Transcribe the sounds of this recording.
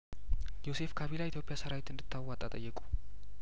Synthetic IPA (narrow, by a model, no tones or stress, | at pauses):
jo̞se̞fkʰaβilait̪ʰjo̞pʼɪjasəɾawit̪ɨnd̪ɨt̪ʰːawat̪ʼat̪ʼəjːɛkʼu̥